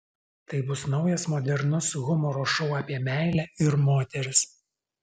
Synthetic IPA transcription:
t̪ɐɪbʊsnɒʊjɛsmɔd̪ʲɛɾnʊsɣʊmɔːɾoːʃɔʊɑːpʲiɛmʲæˑɪlʲæɪɾmoːt̪ʲɛɾʲɪs

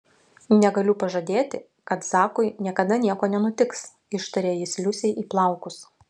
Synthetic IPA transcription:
nʲɛɡɐlʲʊpɐʒɐd̪ʲeːt̪ʲɪ | kɐt̪zɑːkʊɪnʲiɛkɐd̪ɐnʲiɛkoːnʲɛnʊt̪ʲɪks | ɪʃt̪ɐɾʲeːjɪsʲlʲʊsʲeɪʔiːplˠɑˑʊkʊs

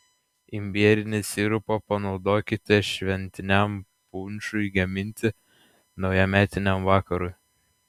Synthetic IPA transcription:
ɪmʲbʲiɛɾʲɪnʲɪsʲiːɾʊpopɐnɒʊd̪oːkʲɪt̪ʲɪʃʲʋʲɛnʲt̪ʲɪnʲɛm | puːnʲt͡ʃʊɪɡɐmʲɪnʲt̪ʲɪ | nɒʊjɛmʲæːt̪ʲɪnʲɛmʋɑːkɐɾʊɪ

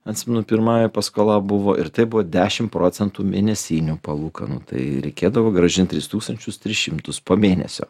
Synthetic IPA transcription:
ɐnʲsʲɪmʲɛnʊpʲɪɾmɑːjɛpɐskoːlˠɑbʊʋoːʔɪɾt̪ɐɪbʊʋoːd̪ʲæːʃʲɪmpɾoːtt͡s̪ʲɛnt̪uːmʲeːnʲɛsʲiːnʲuːpɐlˠuːkɐ̰nṵːt̪ɐ̰ɪɾʲɛɪkʲeːd̪ɐʋoːɡɾɐʒʲɪnt̪ʲɾʲɪst̪uːkst̪ɐnʲt͡ʃʲʊst̪ʲɾʲɪsʃʲɪmt̪ʊspoːmʲeːnʲɛ̰sʲo̰ː

